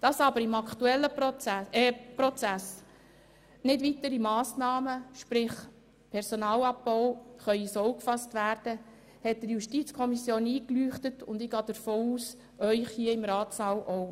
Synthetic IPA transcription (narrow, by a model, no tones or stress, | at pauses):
d̥ɑsɑbəɾɪmɑktuɛlːəpɛpɾɔt͡sæs | nɪdʋitəɾimɑːsnɑːməʃpɾɪχ | pʰɛɾsonɑːlɑb̚bɔʊχœʏisɔwkfɑstʋæːɾd̥ə | hɛt̚d̥əɾjuʃtit͡skʰɔmisjoːniːklyːχtətʊndɪɡ̥ɑːd̥̪əɾfoːuːs | œʏχhiːəɪmɾɑːtsɑːlʔɔʊ